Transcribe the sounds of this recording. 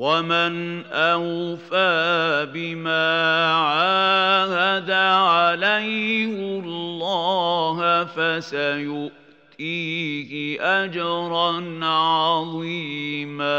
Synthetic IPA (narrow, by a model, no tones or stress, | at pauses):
wamanʔawfaːbɪmaːʕaːhaːðaːʕalajhʊllˤːɑːɦfasajʊʔ | t̪iːkɪʔad͡ʒɾˤɑnʕɑðˤiːma